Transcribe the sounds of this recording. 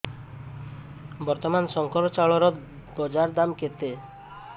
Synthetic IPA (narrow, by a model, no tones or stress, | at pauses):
bɔɾt̪ɔmansɔŋkɔɾɔt͡ʃaɭɔɾɔ | bɔd͡ʒaɾd̪amket̪e